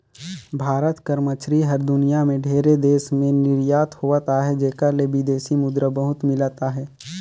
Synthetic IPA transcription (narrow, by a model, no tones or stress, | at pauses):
bʱaːɾət̪kəɾmət͡ʃɾiɦəɾd̪ʊnijamẽɖʱeːɾed̪eːsmẽnɪɾjaːt̪hoʋat̪aɦɛd͡ʒeːkəɾlebid̪eːsimʊd̪ɾəbəɦʊt̪mɪlat̪aɦɛː